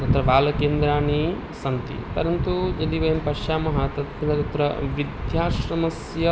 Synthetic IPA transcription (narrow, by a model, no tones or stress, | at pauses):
t̪ɐt̪ɾɐʋaːlɐkeːnd̪ɾaːɳi | sɐnt̪ḭpɐɾɐnt̪ud͡ʒɐliʋɐjɐmpɐʃjaːmɐɦɐt̪ɐt̪ɐnɐt̪ɐt̪ɾɐʋid̪ʱjaːʃɾɐmɐsjɐ